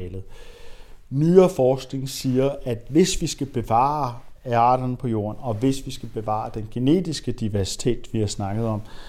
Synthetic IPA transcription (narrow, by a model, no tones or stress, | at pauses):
ɛlð̩ˠ | myɐfɒːsɡ̥ne̝ŋsiːɐæd̥ʋe̝sʋisɡ̥æb̥e̝ʋɑ̰̈ːɑ̈ːɾ̥ɐnəpʰɒ̽jo̝̰ːɐnɒ̽ʋe̝sʋisɡ̥æb̥e̝ʋɑ̰̈ːd̥enɡ̥e̝ne̝̰ːd̥isɡ̥əd̥iʋæɐsi̥t͡sʰḛːd̥ʋihɑ̈snɑ̈ɡ̥ð̞̩ˠɒ̽m̰